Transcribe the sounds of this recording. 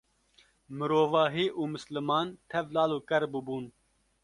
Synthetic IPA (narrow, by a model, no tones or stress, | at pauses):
mɨɾoːvɑːɦiːʔuːmɨslɨmɑːnt̪ʰɛvlɑːluːkɛɾbɨbuːn